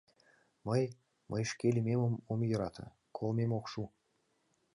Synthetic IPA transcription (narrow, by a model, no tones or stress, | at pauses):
məj | mʔəjʃkʲelʲimʲeməmomjɤɾɑt̪ʰɤ̰̆ | kʰolˠmemokʃu